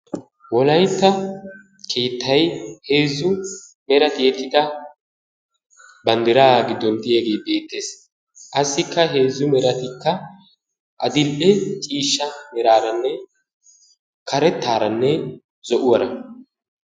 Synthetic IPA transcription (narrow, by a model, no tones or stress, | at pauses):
wɔlɐjt̪ːɐ | kʰeːt̪ʰːɐjhe̞ːzːʊmɛɾɐt̪ɪjɛt̪ːɪd̪ɐ | bɐnd̪ɪɾaːɡɪd̪ːɔnt̪ɪjɛɡe̞ːbe̞ːt̪ːe̞ːs | ʔɐsːɪkːɐɦe̞ːzːʊmɛɾɐt̪ɪkːɐ | ʔɐd̪ɪlʔɛt͡ʃʼiːʃːɐmɛɾaːɾɐnːɛ | kʰɐɾɛt̪ːaːɾɐnːɛ | zɔʔʊwɐɾɐ